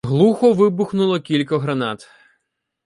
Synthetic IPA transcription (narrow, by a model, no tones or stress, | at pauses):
ɦlˠuxɔʋɪbʊxnʊlˠɔkʲilʲkɐɦɾɐnɑt̪